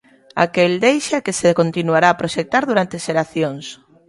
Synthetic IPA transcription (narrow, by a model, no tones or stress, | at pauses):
a̰keld̪ejʃakesekont̪inuaɾaːpɾoʃek̚t̪aɾðuɾant̪eʃeɾaθjoŋs